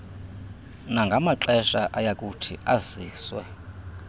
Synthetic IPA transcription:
naŋɡʱamaǁɛʃaʔajakʼutʰiaziːswɛ

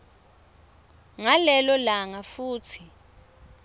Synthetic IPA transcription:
ŋalɛlɔlaŋafuːt͡sʰi

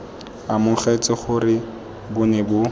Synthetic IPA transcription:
amʊχet͡sɪχʊrɪ | bʊnɛbʊ

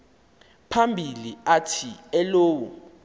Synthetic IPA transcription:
pʰambʱiliatʰiɛloːwɔ

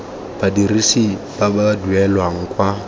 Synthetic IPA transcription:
badirisi | b̥abaduɛlwaŋ̩kʼwa

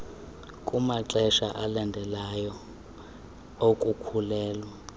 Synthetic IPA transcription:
kʼumaǁɛʃaʔalandʱɛlajɔ | okʼukʰulɛːlwa

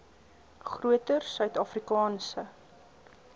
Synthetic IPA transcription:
χruətərsœɥtɑːfrikɑːnsə

